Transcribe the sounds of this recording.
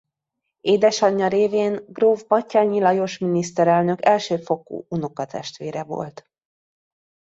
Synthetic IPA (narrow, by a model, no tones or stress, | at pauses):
eːd̪ɛʃɒɲːɒɾeːveːnɡroːvbɒcːaːɲilɒjoʃminist̪ɛɾɛlnø̞kɛlʃøːfo̞ko̰ːunokɒt̪ɛ̰ʃt̪ʋeːɾɛvo̰lt̪